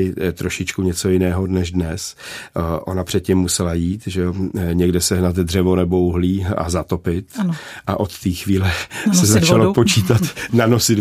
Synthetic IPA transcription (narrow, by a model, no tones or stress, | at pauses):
ɪt̪ɾo̞ʃɪt͡ʃkuɲɛt͡sojɪnɛːɦo̞nɛʒdnɛs | ʔo̞̰napr̝̥ɛt̪̚cɪmːusɛlajiːt̪ʒɛoɲɛɡdɛsɛɦnat̪dr̝ɛvo̞nɛbouɦliːa̰zat̪o̞pɪt̪ʔaʔo̞t̪ːiːxviːlɛsɛzat͡ʃalopot͡ʃiːt̪at̪nanosɪd